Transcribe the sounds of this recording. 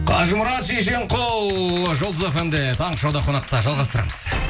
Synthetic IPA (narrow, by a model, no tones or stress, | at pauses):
qʰɑʒəmʊɾɑt̪ʃeʃeɴqʰow̪ʒolˠəzofend̪et̪ʰɑɴəʃɑwd̪ɑqʰo̞nɑq̚t̪ɑʒɑlˠʁɑst̪əɾɑ̰məz̥